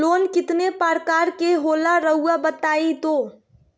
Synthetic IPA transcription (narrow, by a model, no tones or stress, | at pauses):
loːnkɪt̪nepaɾkaːɾkeɦoːlaɾəɦuabət̪aːit̪oː